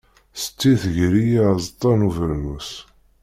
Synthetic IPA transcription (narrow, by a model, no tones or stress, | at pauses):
sə̥t͡sːiθəʝɾijazˤt̪ˤːɑnuvəɾnus